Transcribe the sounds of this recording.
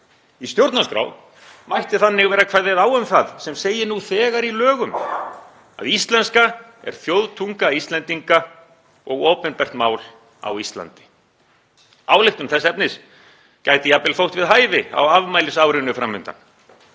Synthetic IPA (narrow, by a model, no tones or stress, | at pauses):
ist̪jowɾt̪naskɾa̰wð | majht̪ɪθanːɪɣvɛːɾakʰvajðɪðaːwʏmθaðsɛmseːjɪnuθɛːɣaɾilœːɣʏm | a̰ðist̪lɛnska | ɛ̰ɾ̥θjowðt̪ʰuŋkaist̪lɛnt̪iŋka | ɔɣoːpɪnpɛr̥t̪maːwl | a̰wist̪la̰nt̪ɪ̥ | aːwlɪht̪ʏmθɛsːɛpnɪs | cajt̪ɪjapɪlfowht̪vɪðɦaːjvɪa̰wavmajlɪsawɾʏnːʏfɾamːʏnt̪a̰n